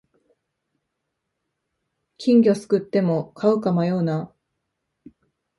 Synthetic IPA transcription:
kʲĩŋɡʲo̞sɨ̥kɯ̟t̪ːe̞mo̞kʰaɯ̟kamajo̞ːna

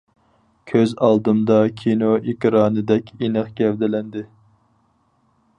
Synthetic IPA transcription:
kʲʰøzɑlˠd̪ɨmd̪ɑkʲʰinoʔikʲɾɑːnɨd̪ɛkʲenɨχkʲɛvd̪ɪlɛnd̪ɪ

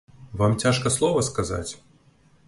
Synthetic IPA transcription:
vamt͡sʲaʂkɐslˠɔvɐskaza̰t͡sʲ

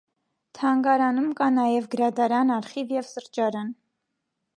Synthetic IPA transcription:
t̪ʰɑŋɡɑɾɑnumkɑnɑjɛvɡəɾɑd̪ɑɾɑnɑɾχivjɛvsəɾt͡ʃɑɾɑn

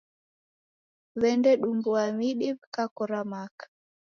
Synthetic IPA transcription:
βɛndɛɗumbuamiɗiβkakɔɾamakḁ

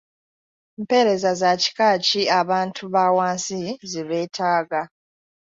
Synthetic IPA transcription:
mpe̞ɾe̞zazaci̥kaːciaβaːntʰuβawaːnsiziβe̞ːtʰaːɡa

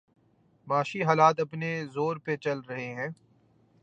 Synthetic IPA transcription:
maːʃiɦaːlaːt̪ɐpnezoːɾpet͡ʃɐlɾɐɦeɦɛ̃ː

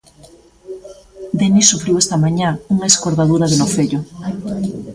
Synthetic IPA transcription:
d̪enisufɾiwest̪ɐmaɲauŋaeskoɾðaðuɾɐðenofeʎʊ

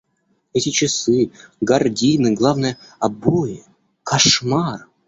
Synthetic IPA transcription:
ɛtʲɪt͡ɕɪsɨɡɐrdʲinɨɡlˠavnɨjəɐbojɪ | kʰɐʂmar

